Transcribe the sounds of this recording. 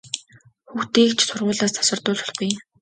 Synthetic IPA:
xuxt̪iːkt͡ɕʰsʊrʁʊːɮaːst̪ʰḁsə̆rt̪ʊːɮʊ̆ɮχuj

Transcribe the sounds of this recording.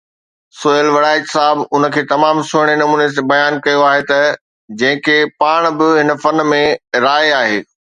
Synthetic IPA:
soːjəlʋɐɪɽaːɪtsaːɦɪbʊnəkʰeːt̪ɐmaːmsʊɦɪɽ̃enɐmuːnesebɐjaːnkɐjoaːɦet̪ɐ | d͡ʑɐ̃ɦɪ̃kʰepaːɽ̃bɪɦɪnəfɐnmẽɾaːeaːɦeː

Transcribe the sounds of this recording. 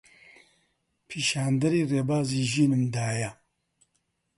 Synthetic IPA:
pʰiːʃaːnd̪ɐɾiːreːbaːziːʒiːnɨmd̪aːjɐ

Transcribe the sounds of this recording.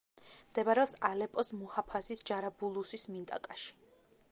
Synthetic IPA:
md̪ɛbaɾɛɔpsalɛpʼɔsmuhapʰasisd͡ʒaɾabulˠusismint̪ʼa̰kʼaʃi̥

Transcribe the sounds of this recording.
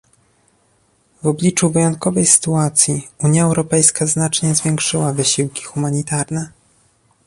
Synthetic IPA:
vɔblʲit͡ʂuvɘjɔnt̪̚kɔvɛjsɘ̥t̪uat̪sʲjiuɲjaɛwɾɔpɛjskaznat͡ʂɲɛzvʲjɛŋkʂɘwavɘɕiwkʲi̥xumaɲit̪aɾnɛ

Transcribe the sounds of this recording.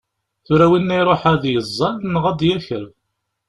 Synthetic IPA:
θʊɾæwinːæjɾˤoħæðjəzˤːɑlnəʁæd̪jæçəɾ

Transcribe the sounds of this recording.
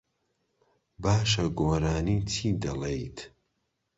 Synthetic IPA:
baːʃɐɡoːɾaːniːt͡ʃʰiːd̪ɐlejt̪ʰ

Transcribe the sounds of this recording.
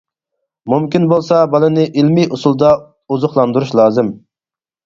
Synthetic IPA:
mumkʲinbolˠsɑbɑlˠɨnɪʔilmijʔusulˠd̪ɑ | uzʊχlˠɑnd̪uɾuʃlˠɑːzɪm

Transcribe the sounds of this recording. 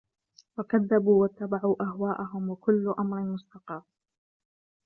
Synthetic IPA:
wakaðːabuːwat̪ːabaʕuːʔahwaːʔaɦʊmwakʊlːʊʔamɾɪmʊst̪ɑqɑ

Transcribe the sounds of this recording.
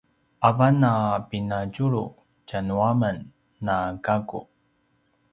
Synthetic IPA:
ʔavanapinacuɭṵ | canuamənː | akakṵ

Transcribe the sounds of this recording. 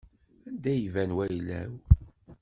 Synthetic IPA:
ænd̪æjvænwæjlːæ̰w

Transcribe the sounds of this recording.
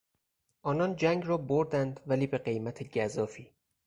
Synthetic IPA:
ʔɒːnɒnd͡ʒæŋɡrɒːboɾd̪ænd̪væliːbe̞ɢe̞jmæt̪ʰe̞ɟæzɒːfiː

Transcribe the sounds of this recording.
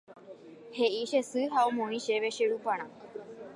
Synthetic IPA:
heʔiʃesɨɦaomõĩʃeʋeʃeɾupãɽ̃ã

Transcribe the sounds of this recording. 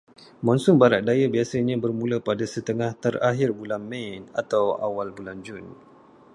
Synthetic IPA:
mɔ̃nsʊmbaɾaʔ̚dajabiasaɲãbərmũlapadasət̪əŋaht̪əraɦɪrbulanmɛ̃na̰t̪awa̰walbuland͡ʒʊn

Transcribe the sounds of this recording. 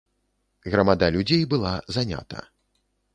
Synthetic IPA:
ɣɾɐmad̪alʲud͡zʲejbɨlˠazanʲa̰t̪ɐ̰

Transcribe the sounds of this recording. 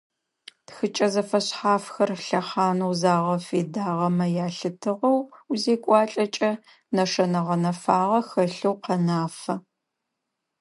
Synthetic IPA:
txɨt͡ʃʼɐzɐfɐɕħaːfxɐrɬɐχaːnowzaːʁɐfeːdaːʁɐmɐjaːɬɨtʰɨʁɐwuzeːkʷʼɑːɬʼɐt͡ʃʼɐ | nɐʂɐnɐʁɐnɐfaːʁɐxɐɬɐwqɐnaːfɐ

